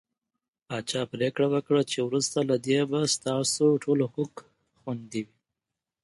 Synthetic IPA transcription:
pɑt͡ʃɑpɾekɽawəkɽat͡ʃewɾust̪alad̪ebast̪ɑsoʈʰolohok | xwand̪iwi

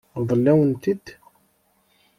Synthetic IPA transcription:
ðˤəlːæwənt̪id̪̥

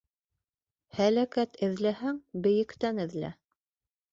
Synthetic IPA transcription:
hælækæt̪ɘ̆ðlæɦæŋbɘ̆jɘ̆kt̪ænɘ̆ðlæ̰

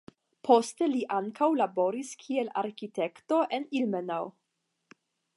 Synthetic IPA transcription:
pʰo̞steliʔaŋkawlabo̞ɾiskʰiela̰ɾkite̞kto̞ʔe̞nilmenaw

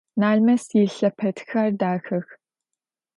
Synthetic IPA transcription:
naːɮmɐsjɪɬɐpʰɐtxaːrdaːxɐx

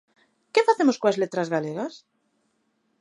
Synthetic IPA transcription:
kefaθemoskoazlet̪ɾazɣaleɣas

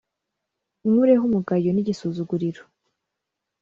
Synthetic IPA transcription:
umuɾeɦumuɡajoniɟisuzuɡuɾiɾo̥

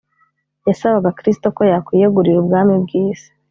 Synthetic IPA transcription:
jasaβaɡakɾis̬i̥to̞ko̞jakwijeɡuɾiɾubɡaːmibɡiːz̥e̥

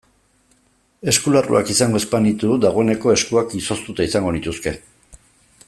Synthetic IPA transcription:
e̞skularṵakisaŋɡo̞e̞spanit̪ud̪aɣ̞o̞ene̞ko̞e̞skuakiso̞st̪ut̪aisaŋɡo̞nit̪uske̞

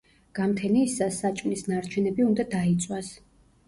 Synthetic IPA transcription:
ɡ̥amt̪ʰɛniːsasːat͡ʃʼmnisnaɾt͡ʃʰɛnɛbiund̪ad̪ait̪sʼwas

